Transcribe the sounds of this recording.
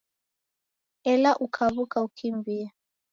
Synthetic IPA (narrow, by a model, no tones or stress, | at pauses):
ɛlaʔukʰaβukaukʰimbia